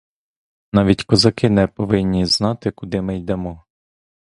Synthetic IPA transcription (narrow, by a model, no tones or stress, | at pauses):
nɑʋʲitʲkɔzɐkɪnɛpɔʋɪnʲːiznɑt̪ɪkʊd̪ɪmɪjd̪ɛmɔ